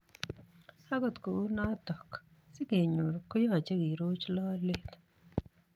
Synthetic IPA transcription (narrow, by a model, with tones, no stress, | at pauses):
a˦ɡɔ˨t̪ko˨u˦na˦tɔ˨k | sɪ˦ke˨ɲo˨ɾko˦jo˦a˨t͡ʃe˦ɡi˨ɾo˦t͡ʃlɔ˦le˦t̪